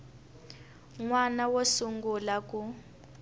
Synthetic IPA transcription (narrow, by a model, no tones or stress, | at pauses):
ŋwanawosuŋɡulaku